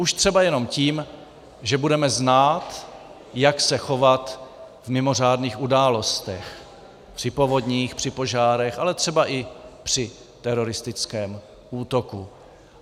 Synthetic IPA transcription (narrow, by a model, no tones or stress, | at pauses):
ʔuʃt̪r̝̥ɛbajɛno̞mciːm | ʒɛbudɛmɛznaːt̪ | jaksɛxo̞vat̪ | vmɪmo̞r̝aːdniːxʔudaːlo̞st̪ɛx | pr̥ɪpo̞vo̞d̪ɲiːxpr̥ɪpo̞ʒaːɾɛxʔalɛt̪r̝̥ɛbaʔɪpr̥ɪ | t̪ɛɾo̞ɾɪst̪ɪt͡skɛːm | ʔuːt̪o̞ku